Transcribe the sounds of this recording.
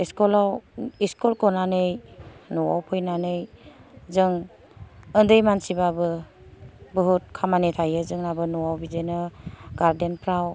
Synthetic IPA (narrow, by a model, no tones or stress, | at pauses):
iskɔlawiskɔlkɔnanɯjnɔwa̰wpʰɯjnanɯjzɯŋ | ɯndɯjmansibabɯ | bɯɦut̚kʰamanetʰajɯzɯŋnabɯnɔwawbizenɯɡaɾdenpʰɾaw